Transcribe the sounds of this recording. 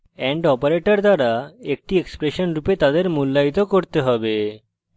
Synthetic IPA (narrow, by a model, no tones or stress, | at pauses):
ɛɳɖɔpaɾeʈaɾd̪aɾaek̚ʈiekspɾeʃonɾupet̪ad̪eɾmulːait̪okoɾt̪eɦɔbe